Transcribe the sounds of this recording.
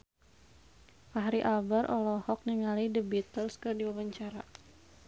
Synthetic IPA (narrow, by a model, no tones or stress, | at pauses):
paɦɾiʔabaɾʔɔ̰lɔhɔk̚niŋalidəbit̪əlskərdiwawaɲt͡ʃaɾa̰